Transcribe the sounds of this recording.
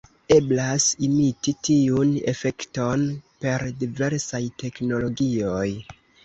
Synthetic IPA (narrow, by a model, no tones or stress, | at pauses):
e̞blasimititiune̞̰fe̞kto̞npe̞ɾdive̞ɾsajtʰe̞kno̞lo̞ɡio̞j